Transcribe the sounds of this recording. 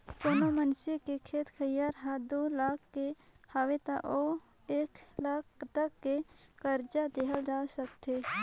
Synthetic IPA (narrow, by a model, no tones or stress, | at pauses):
ponomənsikekʰeːt̪kʰəjaːɾɦad̪oːlaːkʰːehaːwet̪aʔo | eːklaːkt̪əkːekəɾd͡ʒad̪eɦəld͡ʒaːsəkt̪eː